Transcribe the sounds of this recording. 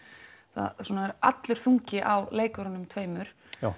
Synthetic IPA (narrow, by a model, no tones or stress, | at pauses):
θa̰ðsɔːnaɛɾa̰t̪lʏɾ̥θuɲcɪʔawleːjkœɾɔnʏmt̪ʰveːjmʏɾ̥ | a